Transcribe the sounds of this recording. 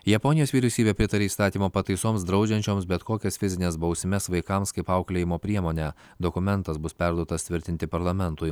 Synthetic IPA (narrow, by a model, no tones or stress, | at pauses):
jɛpɔnʲɪjoːsʲʋʲiːɾʲɛʊsʲiːbʲepʲɾʲɪt̪ɐɾʲeːist̪ɑːt̪ʲiːmoːpɐt̪ɐɪsoːmsd̪ɾɒʊd͡ʒʲɛnʲt͡ʃʲoːmsbʲɛt̪koːkʲɛsfʲɪzʲɪnʲeːsbɒʊsʲɪmʲɛsʋɐɪkɐmskɐɪpɐʊklʲeːjɪmoːpʲɾʲiɛmoːnʲæ | d̪okʊmʲɛnt̪ɐsbʊspʲæɾd̪uɔt̪ɐst̪ʲʋʲɪɾʲt̪ʲɪnt̪ʲɪpɐɾlˠɐmʲɛnt̪ʊɪ